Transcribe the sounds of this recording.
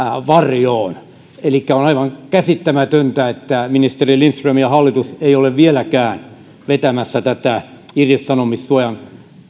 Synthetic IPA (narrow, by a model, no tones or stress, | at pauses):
ʋɑrjoːn | elikːæonɑiʋɑŋkæsit̪ːæmæt̪ønt̪æet̪ːæminist̪erilinsrɑmjɑhɑlːit̪useioleʋʋielækæːn | ʋet̪æmæsːæt̪æt̪æirjissɑnomissuojɑn